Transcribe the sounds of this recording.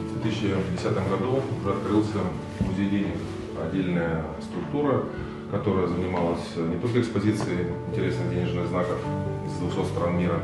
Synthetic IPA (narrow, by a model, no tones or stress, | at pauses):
d̪vʲet̪ɨsʲːɪdʲɪsʲat̪ɨmɡɐd̪uʊʐɛɐt̪kɾɨlˠsʲə | mʊzʲejdʲej | ɐdʲːelʲnəjə | st̪ɾʊkt̪uɾə | kɐt̪o̞ɾəjəzənʲɪmalˠəsʲnʲɪt̪o̞lʲkəɪkspɐzʲit̪sɨɪɪnʲtʲɪɾʲe̞snɨɣdʲenʲɪʐnɨɣznakəfɪzd̪vʊxso̞t̪st̪ɾanmʲiɾə